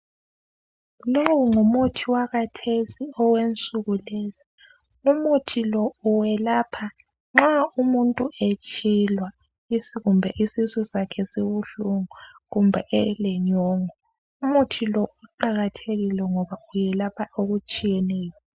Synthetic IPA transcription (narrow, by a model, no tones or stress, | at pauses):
lowŋumutʰiwaɣatʰesiɔwent͡sʼuɣuleːsi̥ | umutʰilɔuwɛlaːpʰa | ŋ͡ǁaumuntʼuʔet͡ʃʼilwa | isiɣumbʱɛʔisizɔsakʰɛsiβuɬuŋɔɣumbʱɛʔɛlɛɲɔːŋɔ | umutʰilɔuǃaɣatʰeɣilɛŋɔβaujɛlapʰaoɣut͡ʃʼijɛnɛːjɔ